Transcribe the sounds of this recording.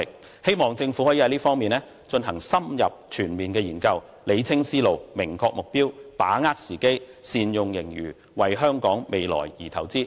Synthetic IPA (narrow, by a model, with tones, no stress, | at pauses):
k̚ | he˥jmɔː˨˩ŋt͡sɪ˧ŋfu˨˥hɔː˨˥jiː˨˥hɐ˧˦liː˥fɔː˥ŋmiː˨nlɛː˥ | t͡ʃɵ˧nɦɐ˨˩ŋsɐ˥mjɐ̰˨p̚t͡ʃʰyː˨˩nmiː˨nkɛː˧jiː˨˩nkɐ˧w | le˨˧jt͡sʰɪ˥ŋsiː˥lo˨wmɪ˨˩ŋkʰɔː˧k̚mʊ˨k̚piː˥wpaː˨˥ŋaː˥k̚siː˨˩ke˥j | siː˧njʊ˨ŋjɪ˨˩ŋjyː˨˩ | wɐ˨jɦœː˥ŋkɔː˨˥ŋme˨˧jlɔ̰ː˨˩jjiː˨˩t̪ʰɐ˨˩wt͡siː˥